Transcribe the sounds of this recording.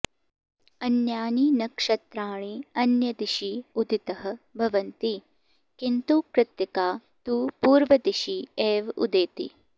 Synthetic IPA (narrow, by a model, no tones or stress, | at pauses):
ɐnjaːninɐkʂɐt̪ɾaːɳ̃iɐnjɐd̪iʃiud̪ʱit̪ɐɦɐ̆bʱɐʋɐnt̪i | kint̪ukɾɪt̪jɐkaːt̪uːpuːɾʋɐd̪iʃieːʋṵd̪eːt̪ḭ